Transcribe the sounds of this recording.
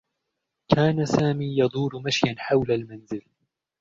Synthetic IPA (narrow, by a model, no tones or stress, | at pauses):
kʰaːnasaːmiːjɑd̪ˤuːɾmaʃjanħawlalmanzɪl